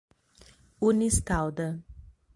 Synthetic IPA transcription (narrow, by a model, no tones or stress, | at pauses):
unist̪awd̪ə